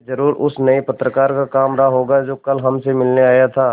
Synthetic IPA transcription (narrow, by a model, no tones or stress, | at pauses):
zɐɾuːɾʊsnɐipɐt̪ɾəkaːɾkakaːmɾaɦoːɡad͡ʒoːkɐlɦɐmsemɪlneaːjat̪ʰaː